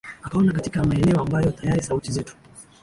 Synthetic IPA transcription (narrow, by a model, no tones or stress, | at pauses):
akaɔnakatikamaɛnɛɔambajɔtajaɾisautizɛtu̥